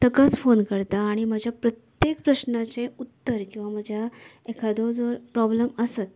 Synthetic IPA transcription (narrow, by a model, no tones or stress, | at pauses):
t̪əkat͡sfonkəɾt̪aːɽ̃iməd͡ʑʱjapɾət̪jekpɾəɕnat͡ɕẽut̪ːəɾkĩw̃ʋam̤əd͡ʑʱja | ekʰad̪od͡zɔɾpɾɔbləməsət̪̚